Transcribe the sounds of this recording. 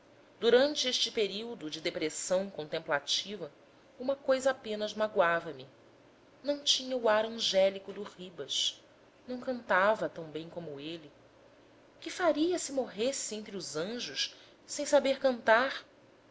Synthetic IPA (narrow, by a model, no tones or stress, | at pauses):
d̪uɾɐ̃nt͡ʃɪeʃt͡ʃɪpeɾiwd̪ʊd͡ʒɪd̪epɾesɐ̃w̃kõnt̪ẽmplat͡ʃivɐ | ũmɐkojzɐapẽnɐzmaɡwavɐmɪ | nɐ̃w̃t͡ʃĩɲɐuaɾɐ̃ʒɛlikʊd̪ʊhibɐʃ | nɐ̃w̃kɐ̃nt̪avɐt̪ɐ̃w̃bẽj̃kõmʊelɪ | kɪfaɾiɐsɪmoɦesɪẽnt̪ɾiʊzɐ̃ʒʊʃ | sẽj̃sabeɾkɐ̃nt̪aɾ